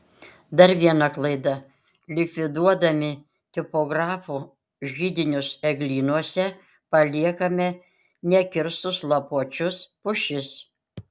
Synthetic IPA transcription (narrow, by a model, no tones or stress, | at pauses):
d̪ɐɾʋʲiɛnɐklˠɐɪd̪ɐ | lʲɪkʲʋʲɪd̪uɔd̪ɐmʲɪ | t̪ʲɪpɔɡɾɑːfu | ʒʲiːd̪ʲɪnʲʊsɛɡlʲiːnuɔsʲɛ | pɐlʲiɛkɐmʲɛ | nʲɛkʲɪɾst̪ʊslˠɐpuɔt͡ʃʲʊspʊʃʲɪs